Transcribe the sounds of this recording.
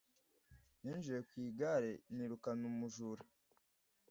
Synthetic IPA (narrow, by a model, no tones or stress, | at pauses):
niːnʒujekwiːɡaɾeniɾukanumuʒuɾa